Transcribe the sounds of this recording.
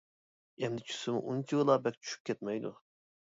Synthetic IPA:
ɛmd̪ɪt͡ʃʰy̥sɪmṵʔunt͡ʃʲʰiɣlˠɑbɛk̚ʲt͡ʃʰy̥ʃy̥p̚ʲkʲʰɛt̪mɛjd̪ṵ

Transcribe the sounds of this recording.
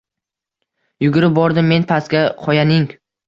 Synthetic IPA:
jʊɡʲʊɾɪp̚bɒɾd̪ɪmːe̞npʰaskʲaqʰɒjanɪŋ

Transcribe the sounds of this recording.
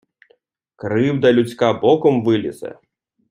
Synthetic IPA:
kɾɨwd̪ɐlʲut͡sʲkabɔkɔmvɨlʲḭsɛ̰

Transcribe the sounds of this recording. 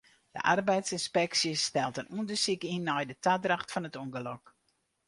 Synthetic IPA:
d̥ə̰ʔa̰rbɛjtsinspɛksjəsːtɛlˠtənuəndəsikinːɔjdətadraxtfɔnətuŋɡəlɔk

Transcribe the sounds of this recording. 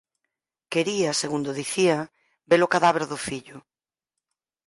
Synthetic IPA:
keɾiaseɣund̪oðiθia | beɾʊkaðaβeɾðʊfiʎʊ

